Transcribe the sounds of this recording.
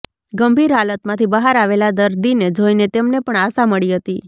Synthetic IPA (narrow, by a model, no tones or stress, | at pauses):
ɡəmbʱiɾɦalət̪mãt̪ʰibəɦaɾaʋelad̪əɾd̪ined͡ʒojnet̪emnepəɳasaməɭiɦət̪i